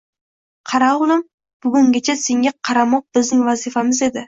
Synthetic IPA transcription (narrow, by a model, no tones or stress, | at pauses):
qʰɑɾaʊlˠɪm | b̥ʊɡʊŋɡʲat͡ʃʰase̞ŋʲaqʰɑɾamɒq̚bɪzd̪ɪŋvazɪfamɪze̞d̪ɪ